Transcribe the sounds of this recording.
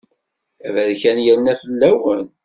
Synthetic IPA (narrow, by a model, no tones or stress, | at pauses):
ævæðçænjænːæfəlːæwən